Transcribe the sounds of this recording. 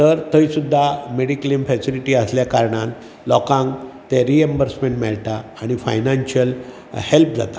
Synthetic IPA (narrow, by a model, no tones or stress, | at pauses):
t̪əɾt̪əisud̪ʱːameɽiklimfɛsiliʈiːəsljakaɾɳãn | lɔkãŋɡt̪ɛɾiembəɾsmẽɳʈmɛɭʈ̪aːɽ̃ifa̰jnanɕəl | help̚d͡za̰t̪ḁ